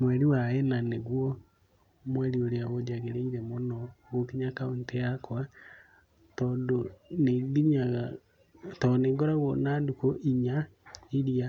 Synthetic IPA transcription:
mwɛɾiwaɛnaneɣwɔ | mwɛɾioɾeaɣod͡ʒaɣeɾeiɾɛmonɔɣokiɲakaonteakwa | tɔːndoneðiɲaɣa | tɔneɡɔɾaɣwɔnandukoʔiɲa | iɾia

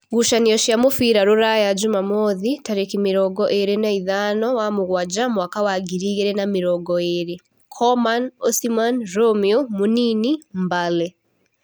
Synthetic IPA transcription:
ɡuʃaniɔʃiamofiɾaɾoɾajad͡ʒumamɔðitaɾekimiɾɔɡɔʔeɾenaiðanɔwamoɣwad͡ʒamwakawaɡiɾiɣɛɾɛnamiɾɔɡɔeɾe | kʰɔmanɔsimanɾɔmiumoninimbalɛ

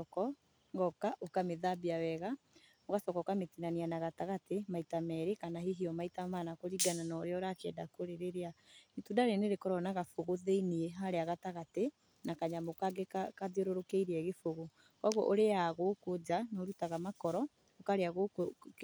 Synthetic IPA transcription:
ɔkɔ | ŋɡɔkaʔokameðabiawɛɣa | oɣasɔkɔkametinanianaɣataɣatemaitamɛɾekanaɦiɦiɔmaitamanakoɾiɡananɔɾeɔɾakɛdakoɾeɾeɾeaetudaɾeneɾekɔɾɔnaɣafoɣoðeinieɦaɾeaɣataɣate | nakaɲamokaɡekakaðeɾoɾokeiɾeɛɣefoɣo | kɔɣɔ̰ʔoɾeaɣokod͡ʒanɔɾutaɣamakɔɾɔ | okaɾeaɣoko

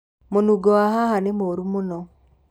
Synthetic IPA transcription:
monuɡɔaɦahanemoɾumonɔ

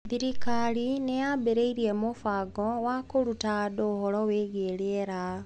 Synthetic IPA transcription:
ðiɾikalinejabeɾeiɾiemofaɡɔwakoɾutadohɔlɔweɣeɾeeɾa

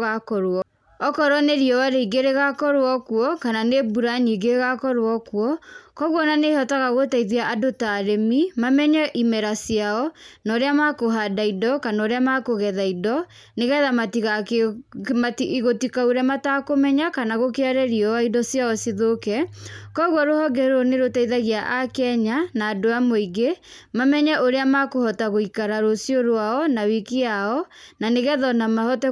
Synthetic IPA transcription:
ɣakɔɾwɔ | ɔkɔɾwɔneɾiɔwaɾeiɡeɾeɣakɔɾwɔkwɔkananebuɾaɲiɡeɣakɔɾwɔkwɔkɔɣwɔnanehɔtaɣaɣotaiðiaʔadotaɾemimamɛɲɛʔimɛɾasjaɔnɔːɾeamakoɦadaidɔkanɔɾeamakoɣɛðaidɔ | neɣɛðamatiɣa | matiʔiɣotikauɾɛmatakomɛɲakanaɣokeaɾɛɾiɔaidɔsjaɔsiðokɛkɔɣwɔɾohɔɡɛɾoneɾotaiðaɣiaʔakɛɲanaːdoamoiɡe | mamɛɲɛʔoɾeamakohɔtaɣoikaɾaɾosioɾwaɔnawikiaɔnaneɣɛðɔnamahɔtɛ

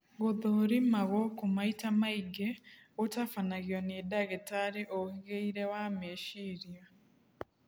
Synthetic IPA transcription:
ɣoðoɾimaɣokumaitamaiɡeotafanaɣjonidaɣetaɾeʔohiɣeiɾewameːʃiɾja

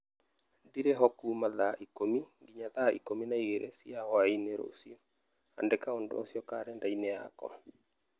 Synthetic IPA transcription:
ndiɾeɦɔkumaðaʔikomiŋɡiɲaðaḭkominaiɣeɾʔesiahɔaineɾo̰siɔ | a̰ndɛkaondo̰o̰sjɔkaɾɛndainea̰kɔ̰

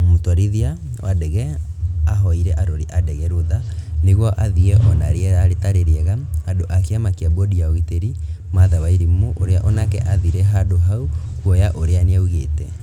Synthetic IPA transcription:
mutɔɾiðia | wʔadɛɣɛ | aɦɔiɾɛʔaɾoɾiʔadɛɣɛɾoðaneɣwɔʔaðiɣɛʔɔnaɾeɛɾaɾetaɾeɾeɛɣaːdoʔakeamakiabodiaɔɣiteɾi | maðawaiɾimumoʔoɾeaʔɔnakɛ̰ʔaðiɾɛɦadoɦaukwɔjaʔoɾeaneauɣeːtɛ

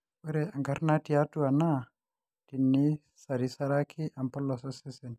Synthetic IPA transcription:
bɔɾɛaŋɡaɾnatijatuana | tinːi | saɾisaɾakʰiʔampɔlːɔsɔsɛsɛn

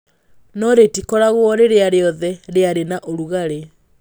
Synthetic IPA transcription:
nɔɾetikɔɾaɣwɔɾeɾeaɾeɔðɛɾeaɾenaʔoɾuɣaɾe

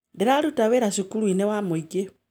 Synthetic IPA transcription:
deɾalutaweɾaʃikuluinewamuiɡe

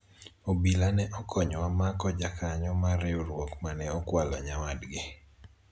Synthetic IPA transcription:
obilanɛʔɔkʰɔɲɔwamakɔd͡ʒakʰaɲɔmaɾeuɾwokmanɛɔkwalɔ̰ɲawadɡɪ

